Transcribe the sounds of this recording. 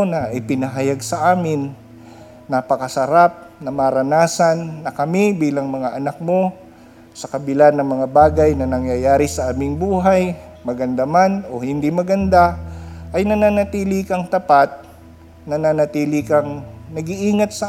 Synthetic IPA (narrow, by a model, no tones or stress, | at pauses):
nɐʔɪpɪnɐɦɐjaɡsɐʔaːmɪnː | ɐpɐkɐsɐɾap̚nɐmaɾɐnaːsɐnːɐkɐmibiːlɐŋmɐŋaʔɐnak̚mo̞ | sɐkɐbɪlanːɐŋmɐŋabaːɡajnɐnɐŋjajaːɾɪsɐʔaːmɪŋbuːɦaj | mɐɡɐnd̪ɐmanohɪnd̪imɐɡɐnd̪aʔɐjnɐnanɐt̪iːlɪkɐŋt̪ɐpat̪̚ | nɐnanɐt̪iːlɪkɐŋnɐɡiʔiːŋɐt̪̚sɐ